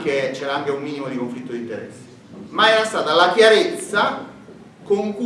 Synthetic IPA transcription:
ket͡ʃːɛːɾaaŋkeumːiːnimod̪ikoɱflit̪ːod̪int̪ɛ̰ɾɛ̰sːe̥ | maɛːɾast̪aːt̪alakjaɾet̪sːa | koŋku

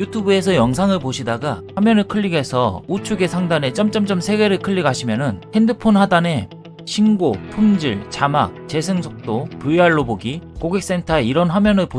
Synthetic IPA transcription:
jutʰubue̞s̬ʰʌjʌŋsʰaŋɯɭpoɕʰidaɡahwamjʌnɯɭkʰɯʎːiɡe̞sʰʌut͡ɕʰuɡe̞sʰaŋdane̞t͡ɕ͈ʌmt͡ɕ͈ʌmt͡ɕ͈ʌmsʰe̞ɡe̞ɾɯɭkʰɯʎːiɡaɕʰimjʌnɯnhe̞ndɯpʰonhadane̞ | ɕʰinɡopʰumd͡ʑiɭt͡ɕama̰k̚t͡ɕe̞sʰɯŋsʰok̚t͈opuiaɭːoboɡikoɡek̚s͈e̞ntʰaeiɾʌnɸwamjʌnɯɭpo

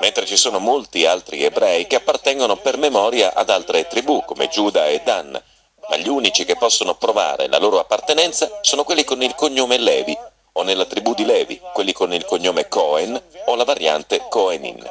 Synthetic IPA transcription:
ment̪ɾet͡ʃisoːnomolt̪ialt̪ɾiebɾɛjkeapːart̪ɛŋɡonopermemɔːɾjaʔa̰d̪alt̪ɾet̪ɾibukomḛd͡ʒuːd̪aed̪ːan | ma̰ʎːiuːnit͡ʃik̟epːɔsːonopɾova̰ːɾḛla̰loːɾoapːart̪enɛnt̪sasoːnokwelːikonilkoɲːoːmelɛːvi | onelːat̪ɾibud̪ilɛːvḭkwelːikonilkoɲːoːmekɔenolavarja̰nt̪ekɔenḭn

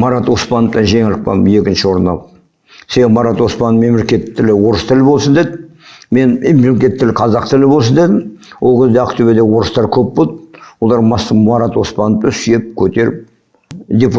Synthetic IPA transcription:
mɑɾɑt̪wo̞spɑnəpt̪ɑnʒe̞ŋɪld̪ɪk̚pɑ̰nə̰me̞kʲɪnʃɪwo̞ɾənɑ̰p | seemɑɾɑt̪wo̞spɑnːəme̞mle̞kʲe̞t̪ʰːɪlɪwo̞ɾəst̪ʰɪlɪbo̞lˠsənd̪e̞d̪ɪ | me̞nmemelekʲe̞t̪ʰːɪlɪqʰɑzɑqt̪ʰɪlɪbo̞lˠs̬ənd̪e̞d̪ɪmwʔo̞lˠkʲʰezd̪eɑqt̪ube̞d̪ewo̞ɾəst̪ɑɾkʲʰɵpbot̪wo̞lˠɑɾmɑsːəɑɾɑt̪wo̞spɑnəp̚t̪ənsijep̚kʲʰɵt̪e̞ɾɪp̚ | d̪ʲepu

